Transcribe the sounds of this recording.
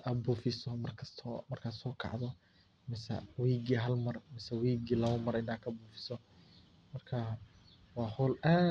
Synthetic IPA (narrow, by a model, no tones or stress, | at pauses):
ɐbuːfɪsɔmɐrkʰɐst̪ʰɔmɐrkʰasɔːkʰɑ̰ʕðɔ | mɪsɐ̰wiːɡiɦɐlmɐrmɪsɛwiːɡiːlɐβɐmɐɾɪnaːkʰɐbuːfɪ̥sɔ | mɐrkʰa | wɑːhɔlaː